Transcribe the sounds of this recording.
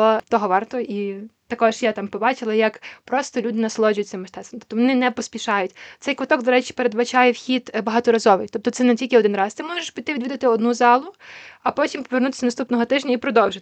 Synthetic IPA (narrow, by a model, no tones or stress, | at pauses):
ɔt̪ɔɦɔʋɑrt̪ɔʔit̪ɐkɔʒjat̪ɑmpɔbɑt͡ʃɪlˠɐjɐkpɾɔst̪ɔlʲud̪ɪnɐslˠɔd͡ʒʊjʊtʲt͡s̪sɪmːɐʃt̪ɛsɐmt̪ɔ̥p̚t̪ɔʋɔnɪnɛpɔsʲpʲiʃɑjʊtʲt̪sɛjkʋɔt̪ɔɡd̪ɔɾɛt͡ʃi̥peɾed̪bɐt͡ʃɑjɛwxʲid̪bɐɦɑt̪ɔɾɐzɔʋɪjt̪ɔp̚t̪ɔsɛnɛtʲilʲkʲɪɔd̪ɪnɾɑst̪ɪmɔʒeʃbʊt̪ɪʋʲid̪ʋʲid̪ɐt̪ɪɔd̪nuzɑlˠʊɐpɔtʲimpɔʋernut̪ɪ̥sɐnɐst̪upnɔɦɔt̪ɪʒnʲɐipɾɔd̪ɔwʒet̪